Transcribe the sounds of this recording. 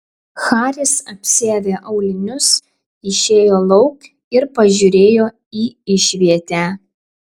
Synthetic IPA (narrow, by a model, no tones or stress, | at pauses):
xɑːɾʲɪsɐpʲsʲeːʋʲeːʔɐʊlʲɪnʲʊs | ɪʃʲeːjoːlˠɒʊk | ɪɾpɐʒʲʊɾʲeːjoː | iːɪʃʲʋʲiɛt̪ʲæː